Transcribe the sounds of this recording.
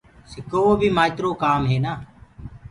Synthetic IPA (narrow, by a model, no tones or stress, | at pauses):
sɪkoːoːbʱiːmaːt̪ɾoːkaːmɦeːnaː